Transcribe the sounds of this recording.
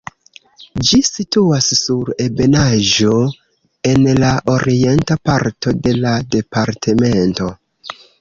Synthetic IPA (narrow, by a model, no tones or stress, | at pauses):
d͡ʒisituasːuɾe̞be̞naʒo̞ | e̞nlaʔo̞ɾie̞ntapaɾto̞de̞lade̞paɾtʰe̞me̞nto̞